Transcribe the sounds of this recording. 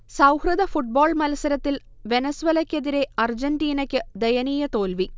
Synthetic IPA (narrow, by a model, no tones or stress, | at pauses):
sɐwhrɨðɐfuʈ̚boːɭmɐlɐsɐɾɐt̪ːil | ʋe̞nɐsʋɐlɐkʲːe̞ðiɾe̞ɐrd͡ʑɐndiːnɐkʲːɨd̪ejɐniːjɐt̪oːlʋi